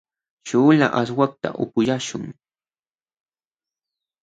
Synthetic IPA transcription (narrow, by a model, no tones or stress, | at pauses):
ʃʊːla̰ʔaswak̚t̪a̰ʔʊkʊjaʃʊŋ